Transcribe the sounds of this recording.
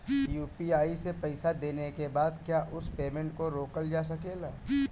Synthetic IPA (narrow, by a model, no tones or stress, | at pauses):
juːpiaːisepɐɪsad̪eːnekebaːd̪kjaːʔʊspeːmẽːɳʈ̚koɾoːkəld͡ʒaːs̬ɐkeːlaː